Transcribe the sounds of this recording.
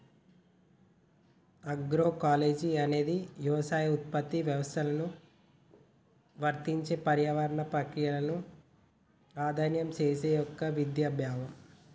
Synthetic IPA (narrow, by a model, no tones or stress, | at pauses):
ɐɡɾoːkaːle̞ːd͡ʒiɐne̞ːd̪ijuʋɐsaːjut̪̚pɐt̪ːiʋjɐʋɐst̪ʰɐlɐnu | ʋɐɾt̪iɲt͡ʃe̞ːpɐɾjaːʋɐɾɐɳɐpɾɐkɾijɐlɐnu | ɾaːd̪ʱaːnjɐmt͡ʃe̞ːse̞ːjɔkːɐʋid̪jaːbjaːʋɐm